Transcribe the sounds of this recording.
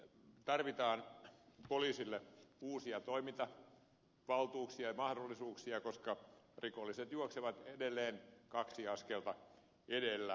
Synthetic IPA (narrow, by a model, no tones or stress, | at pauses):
t̪ɑrʋit̪ɑːnpoliːsilːeuːsiɑt̪oimit̪ɑ | ʋɑlt̪uːksiɑjɑmɑhdolːisuːksiɑkoskɑ | rikolːˑiset̪juokseʋɑt̪edelːeːnkɑksiɑskelt̪ɑ | edelːæ